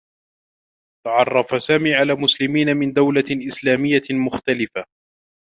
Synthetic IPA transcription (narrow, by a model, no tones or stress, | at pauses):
t̪ɑʕɑrˤːɑfasaːmiːʕalaːmʊslɪmiːnamɪnd̪awlaʔɪslaːmɪjːamʊxt̪alɪfa